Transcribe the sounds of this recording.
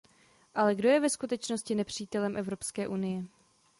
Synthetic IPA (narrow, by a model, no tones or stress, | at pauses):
ʔalɛɡdo̞jɛvɛskut̪ɛt͡ʃno̞scɪnɛpr̝̥iːt̪ɛlɛmʔɛvɾo̞pskɛːʔunɪjɛ